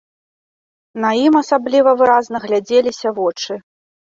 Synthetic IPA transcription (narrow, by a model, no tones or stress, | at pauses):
nɐjimɐsablʲivɐvɨɾaznɐɣlʲad͡zʲelʲisʲɐvɔt͡ʂɨ